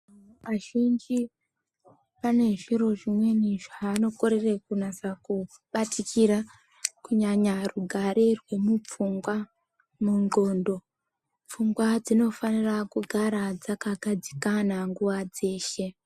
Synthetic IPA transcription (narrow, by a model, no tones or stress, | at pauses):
ʋaʒind͡ʒi | pane̞ʐiɾo̞ʐimwe̞niʐaːno̞ko̞ɾe̞rekunasaku | ɓatikiɾa | kuɲaɲaruɡʱaɾerwe̞mup͡fuŋɡwa | muŋɡo̞ːndo̞ | p͡fuŋɡwad͡zino̞fanirakuɡʱaɾad͡zakaɡʱad͡zikanaŋɡuʋad͡ze̞ːʃe̞